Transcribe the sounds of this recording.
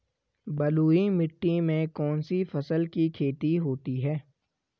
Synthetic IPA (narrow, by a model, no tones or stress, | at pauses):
bɐluːimɪʈːimẽkɔːnsifɐsəlkikʰeːt̪iɦoːt̪iɦɛː